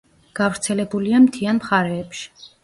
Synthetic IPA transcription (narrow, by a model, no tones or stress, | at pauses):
ɡ̥avɾt̪sʰɛlɛbuliamt̪ʰianmχaɾɛːpʃi̥